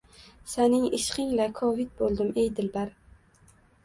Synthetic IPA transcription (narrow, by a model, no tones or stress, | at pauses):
sanɪŋɪʃqɪŋlakʰɒvɪd̪̚bolˠd̪ɪmejd̪ɪlbaɾ